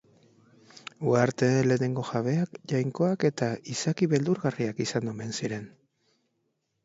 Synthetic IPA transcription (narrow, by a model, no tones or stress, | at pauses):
uaɾt̪e̞le̞ːne̞ŋɡo̞ʝaβ̞e̞akʝajŋko̞ake̞t̪aisakiβe̞ld̪uɾɣariakisand̪ome̞nsiɾe̞n